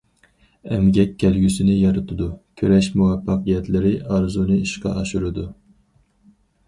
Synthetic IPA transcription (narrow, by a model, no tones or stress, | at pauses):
ɛmɡʲɛkʲʰːɛlɡʲysɪnɪjɑɾɨt̪ʰɨd̪ukʲʰøɾɛʃmuwɛpʰːɑqʰijɛt̪ʰlɪɾɪʔɑɾzunɨiʃqɑ̰ʔɑʃuɾɨd̪u